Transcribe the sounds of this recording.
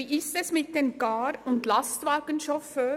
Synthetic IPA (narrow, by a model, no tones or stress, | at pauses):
iʔɪstɛsmɪt̚d̥enɡ̥ɑːɾʊndlɑstʋɑːɡ̥ənʃɔføː